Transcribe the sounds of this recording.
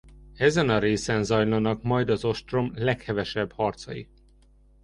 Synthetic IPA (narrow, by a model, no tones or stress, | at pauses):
ɛzɛnɒɾeːsɛnzɒjlɒnɒkmɒjd̪ɒzo̞ʃt̪romlɛkhɛvɛʃɛbhɒrt̪sɒjḭ